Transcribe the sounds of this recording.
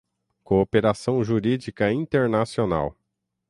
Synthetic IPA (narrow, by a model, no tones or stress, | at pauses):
koːpeɾasɐ̃w̃ʒuɾid͡ʒikɐĩnt̪eɾnasiona̰w